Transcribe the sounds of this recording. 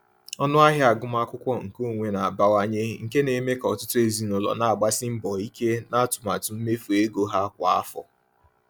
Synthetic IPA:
ɔ˦nʊ˦a˦ɦja˦a˨ɡʊ˦m˦a˦kʷʊ˦kʷɔ˦ŋ̩˨ko˦˨ŋʷe˨na˨a˨ba˦wa˦ɲe˦ŋ̩˨ke˦ne˨me˦kɔ˨tʊ˦tʊ˦e˨zi˨nʊ˨lɔ̰˨na˨a˨ɡ͡ba˦sɪ˦m̩˦bɔ˨i˦ke˦na˦˨tʊ˨ma˨tʊ˨m̩˦me˦fu˨e˦ɡo˦ɦa˦kʷa˨a̰˦fɔ̰˨

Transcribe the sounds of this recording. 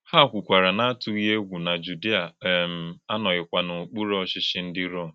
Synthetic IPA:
ha˦˨kʷu˨kʷa˨ɾa˨na˦a˦tu˦ɣi˦e˦ɡʷu˨na˨d͡ʒu˨di˦a˨˦˨m̩˨a˦nɔ˨ɣɪ˨kʷa˦no˨k͡pu˦ɾo˦ɔ˦ʃɪ˦ʃɪ˦n̩˦dɪ˦ɾɔ˦˨m˨

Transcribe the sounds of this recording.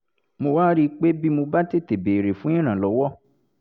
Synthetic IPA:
mo˧waː˦ɾi˦k͡pe˦bi˦mo˧ba˦te˦˨te˨be˨ɾe˨fũ˦ĩ˦˨ɾ̃ã˨lɔ˨˦wɔ˦

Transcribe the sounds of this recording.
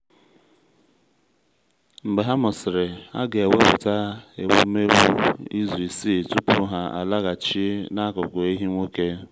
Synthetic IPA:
ŋ͡m̩˨ɡ͡be˨ɦa˦mʊ˨sɪ˨ɾe˨a̰˦ɡe˨e˨we˦pʊ̰˨ta˦e˨wṵ˦me˦wu˦i˦zu˨i˨si˦˨tu˦pʊ˦ɦa˦a̰˨la˦ɣa˨t͡ʃi˦na˦kʊ˨kʊ˨e˦ɦi˦ŋʷo˦ke˦

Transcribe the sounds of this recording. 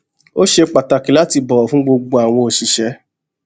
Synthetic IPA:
o˦ʃe˧k͡pa˨ta˨ki˨la˦ti˧bɔ˨ɔ˨fũ˦ɡ͡bo˧ɡ͡bo˧a˨w̃ɔ̃˧o˨ʃi˨ʃɛ˧˦

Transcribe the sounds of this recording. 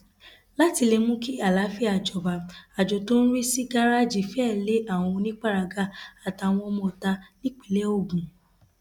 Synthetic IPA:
la˦ti˧le˧mũ˦ki˦a˦˨la˨˦fi˦a˨d͡ʒɔ˨ba˨a˨d͡ʒo˨to˦ñ̩˦ɾi˦si˦ɡa˦ɾa˦d͡ʒi˨fɛ˦˨le˦a˦˨w̃ɔ̃˧o˧nĩ˦k͡pa˦ɾa˧ɡa˦a˦˨ta˧˨w̃ɔ̃˧mɔ̃˧˨ta˧nĩ˦k͡pi˨˦le˦o˦˨ɡũ˨

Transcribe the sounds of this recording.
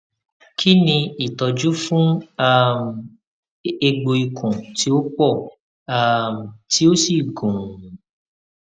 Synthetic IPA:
kʰi˦nĩ˧i˦˨tɔ˨d͡ʒu˨˦fũ˦a˦˨m | e˧ɡ͡bo˧i˨kʰũ˨ti˨˦o˦k͡pɔ˦˨ | a˦˨m˨ti˨˦o˦si˦˨ɡũ˨

